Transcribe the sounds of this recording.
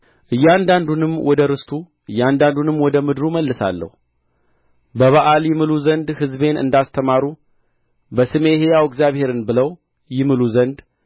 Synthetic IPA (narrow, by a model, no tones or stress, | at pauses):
ʔɨjːand̪and̪unɨmwɔd̪əɾɨst̪ʰu | ʔɨjːand̪and̪unɨmːwɔd̪əmɨd̪ɾuməlːɨsa̰lːə̰hu | bəβaʔaljɪmɨluzənd̪hɨzbe̞nɨ̰nd̪ast̪ʰəmaɾu | bəsɨme̞hejawɪkzjaβhe̞ɾɨnbɨləw | jɪmɨluzənd̪